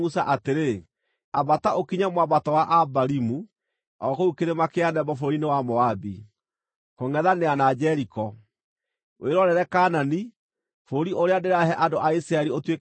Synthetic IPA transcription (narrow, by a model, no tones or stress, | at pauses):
usaʔateɾe | abataʔokiɲamwabatɔwaʔabaɾimu | ɔkoukeɾemakeanɛbɔfoɾinewamɔabi | koŋɡɛðaneanad͡ʒɛɾikɔ | weɾɔɾɛɾɛkanani | foɾiʔoɾeadeɾaɦɛʔadoʔaisiɾaɛɾiotwe